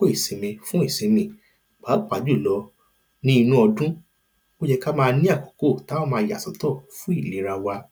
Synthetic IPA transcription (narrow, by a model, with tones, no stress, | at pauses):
ko˦i˦˨sĩ˨˦mĩ˧fũ˦i˦˨sĩ˨˦mĩ˧ | k͡paː˨˦˨k͡pa˨˦d͡ʒu˦˨lɔ˨˦ | nĩ˦i˧nũ˦ɔ˧dũ˦ | mo˦d͡ʒɛ˧ka˦mãː˧nĩ˦a˦˨kɔ˨ko˦˨ta˨˦o˦mãː˧ja̰˨sɔ˨˦tɔ˦˨fũ˦i˦˨le˨˦ɾa˧wa˧